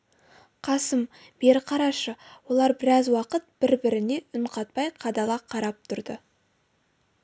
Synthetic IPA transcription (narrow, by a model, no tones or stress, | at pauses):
qʰɑsəm | b̥e̞ɾqʰɑɾɑʃəwo̞lˠɑɾbɪɾɑzwɑqət̪̚b̥ɪɾbɪɾɪne̞ʊɴqʰɑt̪̚pɑjqʰɑd̪ɑlˠɑqʰɑɾɑp̚t̪ʰʊɾd̪ə